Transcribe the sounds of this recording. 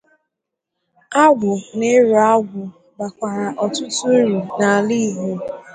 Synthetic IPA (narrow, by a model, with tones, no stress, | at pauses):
a˦ɡʷʊ˨ne˦ɾu˨a˦ɡʷʊ˨ | ba˨kʷa˨ɾa˨ʔɔ˨tʊ˦tʊ˦e˦ɾu˨na˨a˨li˦˨ɦe˦